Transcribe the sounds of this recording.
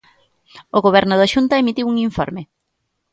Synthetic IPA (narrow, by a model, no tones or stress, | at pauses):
oɣoβ̞ɛɾnʊðaʃunt̪ɐemit̪iwuŋiɱfɔ̰ɾme